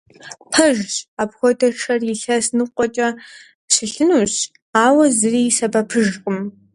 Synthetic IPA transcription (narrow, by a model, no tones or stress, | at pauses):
pʰɐʒɕaːpxʷɔtʰɐʈ͡ʂʰɐrɪɬɐsnɨqʷʼɔt͡ʃʼɐ | ɕɨɬɨnuːɕ | aːwɐzɨriːsɐbɐpʰɨʒqʼəm